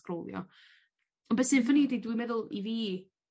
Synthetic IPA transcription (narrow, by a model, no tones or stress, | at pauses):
krowlˠjɔ̰ | ɔnbɛsɨnvənidedwimɛðʊlˠḭviː